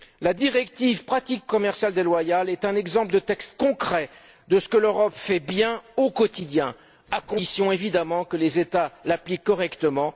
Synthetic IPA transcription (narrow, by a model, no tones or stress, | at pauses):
lad̪iʁɛkt̪ivpχat̪ikːɔmɛʁsjald̪elwajalɛt̪ɛ̃nɛɡzɑ̃pləd̪ət̪ɛkst̪kɔ̃kχɛ | d̪əsə̥kəløʁɔpfɛbjɛ̃okɔt̪id̪jɛ̃ | akɔ̃sjɔ̃evid̪amɑ̃kəlezet̪alaplikːɔʁɛkt̪əmɑ̃